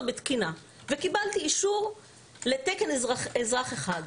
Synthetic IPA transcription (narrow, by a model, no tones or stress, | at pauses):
bet̪kina | vekibalt̪iːʃuʁ | le̞t̪ekenezʁaχeχad